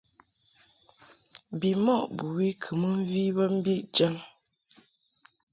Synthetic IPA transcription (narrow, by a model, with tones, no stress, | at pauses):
bi˨mɔ˦˨ʔbu˨wi˦kʰə˨mə˦ɱ̩˦vi˦bə˦m̩˦bi˦ʔd͡ʒa˦ŋ